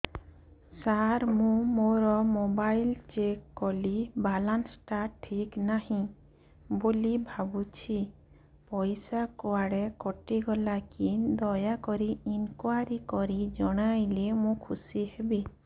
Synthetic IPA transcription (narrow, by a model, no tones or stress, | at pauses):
saɾmũmoɾɔmobajlt͡ʃekːɔlibalansʈaʈʰiknahĩ | bolibʱabut͡ʃʰi | pɔjsakɔaɽekɔʈiɡɔlakind̪ɔjakɔɾiinkwaɾikɔɾid͡ʒɔɽ̃ajlemũkʰusihebi